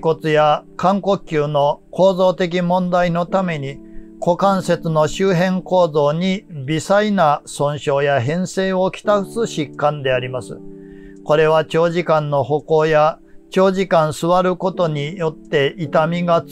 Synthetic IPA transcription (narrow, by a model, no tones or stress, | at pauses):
ko̞t͡sɨjakãŋko̞kʲːɨːno̞ko̞ːzo̞ːt̪e̞k̬ʲimõ̞nd̪aino̞t̪ame̞ɲ̟iko̞kãɰ̃se̞t͡sɨno̞ɕɨːɦẽ̞ŋko̞ːzo̞ːɲ̟ibʲisainasõ̞ɰ̃ɕo̞ːjaɦẽ̞ɰ̃se̞ːo̞kʲi̥t̪akɯ̟̥sɨɕikːãnd̪e̞aɾʲimasɨ̰ko̞ɾe̞βat͡ɕo̞ːʑikãnːo̞ho̞ko̞ːja | t͡ɕo̞ːʑikãɰ̃sɨβaɾɯ̟ko̞t̪o̞ɲ̟ijo̞t̪ːe̞it̪amʲiɡa